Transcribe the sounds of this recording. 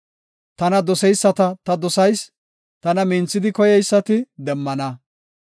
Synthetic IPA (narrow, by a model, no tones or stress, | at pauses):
t̪ɐnɐd̪ɔsɛjsːɐt̪ɐt̪ɐd̪ɔsɐjs | t̪ɐnɐmɪnt͡sːɪd̪ɪkɔjɛjsːɐt̪ɪd̪ɛmːɐnɐ